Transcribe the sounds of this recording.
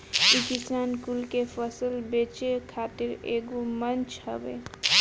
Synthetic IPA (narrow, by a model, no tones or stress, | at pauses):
ikisaːnkulkepʰəsəlbet͡ʃekʰat̪ɪɾḛːɡomənt͡ʃɦə̰bḛ